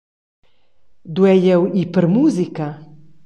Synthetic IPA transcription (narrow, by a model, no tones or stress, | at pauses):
d̪wɛjɛwipəɾmuzika